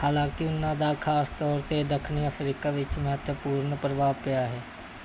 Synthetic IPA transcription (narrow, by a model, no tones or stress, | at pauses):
haːlãːkɪʊnːãːd̪aːkʰaːst̪ɔːɾt̪edəkʰniəpʰɾiːkaːʋɪt͡ʃmɛ̃t̪əpuːɾnəpɾəʋaːpɪjaːɦɛː